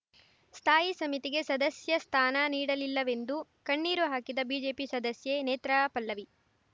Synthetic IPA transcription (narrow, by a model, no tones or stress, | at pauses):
st̪ʰaːjisɐmit̪iɡe̞sɐd̪ɐsjɐst̪ʰaːnɐniːɽɐlilːɐʋe̞nd̪ukɐɳːiːɾuɦaːkid̪ɐbiːd͡ʒe̞ːpisɐd̪ɐsjeneːt̪ɾɐpɐlːɐʋi